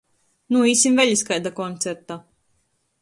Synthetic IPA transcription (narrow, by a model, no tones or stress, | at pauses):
nuiːsʲimvɛʎʲiskajd̪akɔnt̪sɛɾt̪a